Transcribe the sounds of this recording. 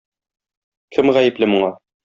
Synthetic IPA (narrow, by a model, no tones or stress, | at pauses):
kʰɘmʁæjɘ̆plɘmŭɴɑ